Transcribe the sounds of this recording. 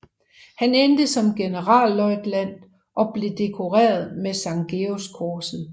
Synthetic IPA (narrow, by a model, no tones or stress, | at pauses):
hænend̥əsɒ̽mɡ̥e̝nəʁɑ̰̈ːlːɒɪd̥læn̰d̥ | ʔɒ̽b̥le̝d̥e̝kʰo̝ʁɛ̰ːɐð̞ˠmesɑ̈ŋɡ̥eoskʰoːsn̩